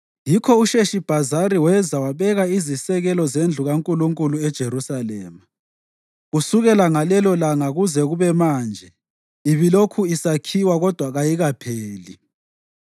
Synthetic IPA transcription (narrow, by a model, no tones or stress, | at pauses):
jikʰɔuʃeʃib̥ʱazaɾiwɛzawaβɛɣaizisɛɣɛlɔzend͡ɮʱuɣaŋkʼuluŋkʼuluɛd̥ʒ̥ʱerusalɛ̰ːma | ɣusuɣɛlaŋalɛlɔlaŋaɣuzɛɣuβɛmaːnd͡ʒʱɛ | iβilokʰuisakʰiwaɣɔd̥ʱwaɣajiɣapʰeːli